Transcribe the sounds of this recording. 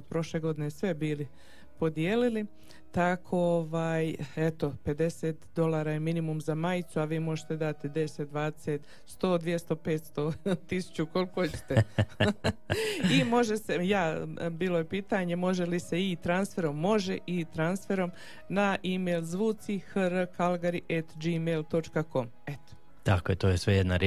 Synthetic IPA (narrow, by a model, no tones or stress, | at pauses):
od̪̚pɾo̞ʃle̞ɡo̞d̪inesʋe̞biːli | po̞d̪jeːlili | t̪akʰo̞oʋaːjet̪o̞pe̞d̪e̞set̪d̪o̞lˠaːɾajeminimumzamajt̪suaʋiːmo̞ʒet̪ed̪at̪id̪e̞set̪̚d̪ʋaːd̪eset̪ | st̪o̞ːd̪ʋje̞st̪o̞peːt̪st̪o̞t̪isu̥t͡ɕuko̞lkot͡ɕe̥t̪e | imo̞ʒe̞sejaːbiːlojepiːt̪aɲe̞mo̞ʒe̞lise̞it̪ɾansfe̞ɾo̞mːo̞ʒeʔit̪ɾansfe̞ɾo̞m | naʔimeːlzʋuːt̪sixəɾkalɡaɾiʔet̪d͡ʒimeːlt̪o̞t͡ʃkako̞m | et̪o̥ | t̪akojet̪oːjesʋejed̪naɾ